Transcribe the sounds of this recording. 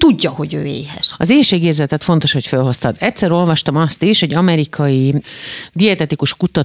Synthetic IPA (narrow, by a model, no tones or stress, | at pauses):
t̪uɟːɒho̞ɟøːḛːɦɛ̰ʃɒzeːʃeːɡeːrzɛt̪ɛt̪fo̞nt̪o̞ʃho̞cfølɦo̞st̪ɒd̪ɛt̪sɛɾo̞lvɒʃt̪ɒmɒst̪iʃho̞ɟɒmɛɾikʰɒji | d̪iɛt̪ɛt̪ikuʃkut̪ɒ